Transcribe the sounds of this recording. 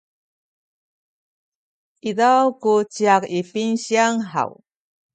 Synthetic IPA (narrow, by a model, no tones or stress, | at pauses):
iðawkut͡ɕiakifinɕiaŋɦa̰w